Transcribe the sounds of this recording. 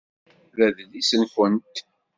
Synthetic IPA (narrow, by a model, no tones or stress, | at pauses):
ðæðlisənfənt̪